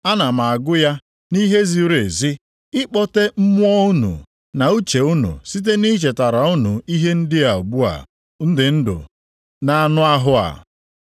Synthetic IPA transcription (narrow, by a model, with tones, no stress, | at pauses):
a˦na˨ma˨a˨ɡʊ˦ja˦ | ni˦ɦe˦zi˦ɾe˨zi˦ | ɪ˦k͡pɔ˦te˦m̩˦mʊ˦ɔ˦u˦nṵ˨ | na˨u˦t͡ʃe˨u˦nṵ˨si˦t̬e˦ni˦t͡ʃe˨ta˨ɾa˨u˦nṵ˨i˦ɦe˦n̩˦dɪ˦a˨u˨ɡ͡bu˦a̰˨ | n̩˦dɪ˨n̩˦dʊ̰˨ | na˨a˦nʊ˦a˦ɦʊ˦a̰˨